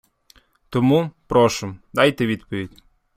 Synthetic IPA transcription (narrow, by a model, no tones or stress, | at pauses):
t̪ɔmupɾɔʃʊmd̪ɑjt̪eʋʲid̪pɔʋʲidʲ